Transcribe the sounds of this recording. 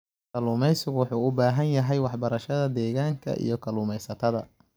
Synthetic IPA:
kʰɐluːmɛjsɪɣʊwɑħuːʊbaːɦɐnjɐɦɛjwɑħbɐɾɐʃɐðɐd̪ɛːɣaːŋkʰɐ̰ʔḭjɞkʰɐluːmɛjsɐt̪ʰɐðɐ̰

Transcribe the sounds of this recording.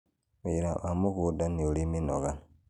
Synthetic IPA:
iɾaʔamukudaniuliminoɣa

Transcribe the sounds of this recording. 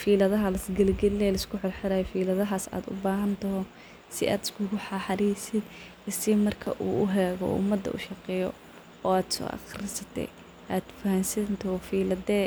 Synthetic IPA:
fiːlɐðɐɦɐlɐsɡɐlɡɐlːɛlɐskʰʊħɔrħɪɾaːjfiːlɐðɐɦaːsa̰ːd̪ʊ̰baːɦɐnt̪ʰɔɦɔ | sɪ̰ʔaːd̪ɪskʰʊɡʊħɑħɑɾiːsɪd̪ | ɪsɪmɐrkʰɐ̰ʔuːʔʊɦɛːɣɔ̰ʔʊ̰mɐd̪ːɐ̰ʔṵːʃɐqɛːjɔ̰ | ɔːaːd̪sɔ̰ːʔɑ̰xrɪsɐt̪ʰɛ̰j | ʔaːd̪̥fɐhɐnsɐnt̪ʰɔfiːlɐd̪ɛː

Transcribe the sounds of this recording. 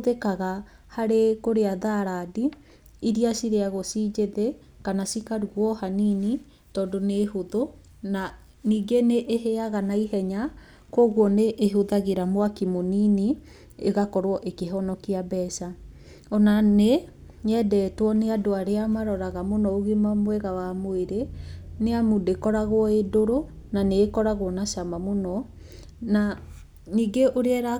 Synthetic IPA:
ðekaɣa | haɾekoɾeaðaɾadi | iɾiasiɾeaɣosiːd͡ʒeðe | kanasikaɾuɣwɔhanini | tɔːdonehoðo | na | niːɡeneʔːɦeaɣanaiɦɛɲa | kwɔɣwɔneʔːɦoðaɣeɾamowakimonini | ḛɣakɔɾoɔʔekeɦɔnɔkiabɛsa | ɔnane | ɲɛdɛtwɔneadoaɾeamaɾɔɾaɣamonɔoɣemamwɛɣawamoeɾeneamudekɔɾaɣwɔedoɾo | naneːkɔɾaɣwɔnaʃamamonɔ | na | niːɡeʔoɾeɛɾa

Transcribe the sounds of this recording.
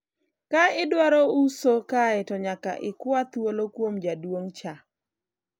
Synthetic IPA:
kaɪdwaɾɔusokaɛtɔɲaka̰ʔɪkwat̪wolokwomd͡ʒadwoŋt͡ʃa

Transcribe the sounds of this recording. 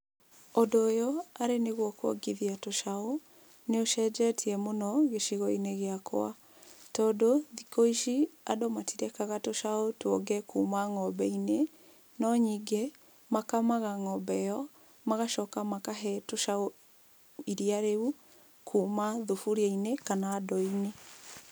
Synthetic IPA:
odoːjɔaɾeneɣwɔkwɔ̰ɡiðiatoʃao | neoʃɛd͡ʒɛtʰiɛmonɔɣeʃiɣɔineɣeakɔ̰a̰ | tɔdoðikoiʃiadomatiɾɛkaɣatoʃaotwoɡɛkʰuːmaŋɔbɛine | nɔɲiɡe | makamaɣaŋɔbɛjɔ | maɣaʃɔkamakaɦɛtoʃao | iɾiaɾeu | kʰuːmaðufuɾiainekanaːdɔine

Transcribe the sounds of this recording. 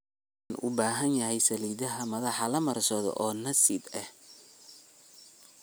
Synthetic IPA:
nʔʊ̰baːɦɐnjɐhɛjsɐliːðɐɦɐmɐðɑħɑlɐmɐrsɔðɔ̰ʔɔːnɐsɪdɐh

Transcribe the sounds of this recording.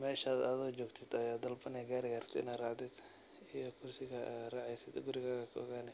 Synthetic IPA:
mɛːʃaːd̪ɐðɔd͡ʒɔːɡt̪ʰɪd̪ɐjaːd̪ɐlbɐnɛɡaːɾɪɣaɾt̪ʰɪ̰naːrɑʕd̪ɛd̪ | ijɔkʰʊrsɪɣɐd̪rɑʕɛjsɪd̪ʊɡʊɾɪɣaːɣɐkʰʊɔ̰ɣaːnɛ

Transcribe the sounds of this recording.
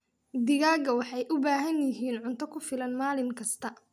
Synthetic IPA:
d̪ɪɣaːɡɐwɑħɑjʔʊbaːɦɐnjɪɦiːnʕʊnt̪ʰɔkʰʊfɪlɐnmaːlɪmkʰɐst̪ʰɐ

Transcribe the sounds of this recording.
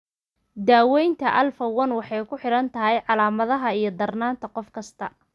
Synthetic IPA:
d̪aːwɛjnt̪ʰɐʔɐlfɐwɐnwɑħɑjkʰʊħɪɾɐnt̪ʰɐɦɛjʕɑlaːmɐðɐɦɐijɞd̪ɐrnaːnt̪ʰɐqɔfkʰɐst̪ʰɐ

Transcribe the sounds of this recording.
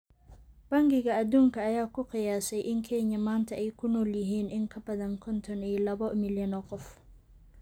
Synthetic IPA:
b̥ɐŋɡɪɣɐːd̪uːŋkɐːjaːkʊqɪjaːsɛjʔɪŋkʰɛɲːɐmaːnt̪ʰɐʔɛjkʰʊnɔljɪɦiːnʔɪŋkʰɐbɐðɐŋkʰɔnt̪ʰɔnɛjlɐβɔmɪljɐnɔqɔf

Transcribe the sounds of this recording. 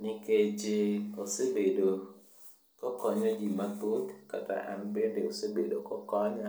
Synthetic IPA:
nɪked͡ʒɪosebedo | kɔkɔɲɔɡimapot̪kata̰ʔa̰nbendeosebedokɔkɔɲɔ

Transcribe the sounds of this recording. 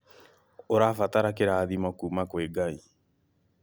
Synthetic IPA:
oɾafataɾakeɾaːðimakumakweɡai

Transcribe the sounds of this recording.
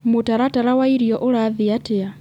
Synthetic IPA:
mutaɾataɾawaiɾjɔʔuɾaðiatɪa

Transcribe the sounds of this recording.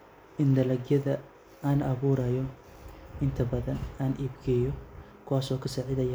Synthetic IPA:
ʔɪnd̪ɐlɐɡjɐðɐ | aːnɐβuːɾɐjɔ | ʔɪnt̪ʰɐbɐðɐnaːnʔiːbɡɛːjɔkʰʊwaːsɔːkʰɐsaːʕɪðɐjɐ

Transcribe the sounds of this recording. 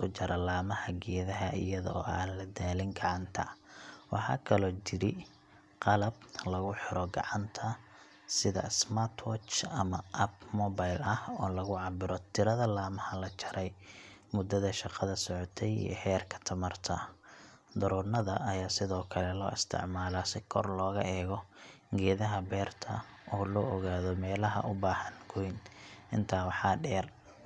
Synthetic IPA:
ʊt͡ʃɐɾɐlaːmɐhɐɡɛːðɐɦɐʔɪ̰jɐðɔ̰ːʔɐlɐd̪aːlɪŋɡɑʕɑnt̪ʰɐwɑħɑ̰ːkʰɐlɔːt͡ʃɪɾɪ | qɑlɐblɐɣʊħɪɾɔɡɑ̰ʕɑnt̪ʰɐ | sɪðɐ̰smat̪ʰwɔt͡ʃɐmɐʔɐbmɔbajlɐhɔːlɐɣʊʕɑbɪɾɔt̪ʰɪɾɐðɐlaːmɐhɐlɐt͡ʃɐɾɛjmʊd̪ːɐðɐʃɑqɑðɐsɔʕɔt̪ʰɛjḭjɐ̰hɛːrkʰɐ̥t̪ʰɐmɐrt̪ʰɐ | d̪ɐɾuːnɐðɐʔɐjaːsɪðɔːkʰɐlɛlɔːɪst̪ʰɪ̰ʕmaːlasɪkʰɔrlɔːɣɐ̰ʔɛːɣɔ | ɡɛːðɐɦɐbɛːrt̪ʰɐ̰ | ʔɔːlɔːʔɔɣaːðɔmɛːlɐɦɐ̰ʔʊbaːhɐnɡʰʊjnʔɪnt̪ʰaːwɑħɑːɖɛːr

